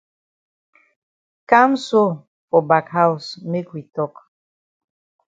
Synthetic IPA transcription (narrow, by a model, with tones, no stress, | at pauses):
ka˦mso˦ | fɔ˨ba˨kha˦wsme˦kwi˨tɔ˦k